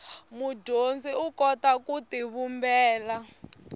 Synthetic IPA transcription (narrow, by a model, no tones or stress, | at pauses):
mudʱond͡ziukɔtakutiβumbɛːla